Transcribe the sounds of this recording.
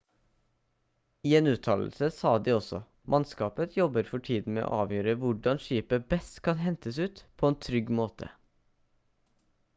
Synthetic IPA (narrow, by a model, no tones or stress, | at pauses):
iːeːnʉːt̪ʰɑːll̩səsɑːd̪iːɔsɔ̰ | mʔɑnskɑːpət̪ʰjɔbəɾfɔʈʰiːd̪n̩mḛːʔo̰ːʔɑːʋjøːɾəʋʊɖɑnʃiːpəbɛst̪kʰɑnɦɛnt̪əsʉːt̪pʰoːeːnt̪ʰɾʏɡmoːt̪ʰə̰